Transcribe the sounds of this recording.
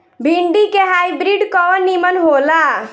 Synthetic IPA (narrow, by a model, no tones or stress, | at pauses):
bʱiɳɖikeɦajbɾiɖkɔnimənɦola